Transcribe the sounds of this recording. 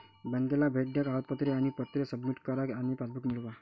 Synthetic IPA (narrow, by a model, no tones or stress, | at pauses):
bɛnd̪elabʱeʈ̚ɖjakat̪̚pət̪ɾeanipət̪ɾesəbmiʈkəɾəkanipasbukmilba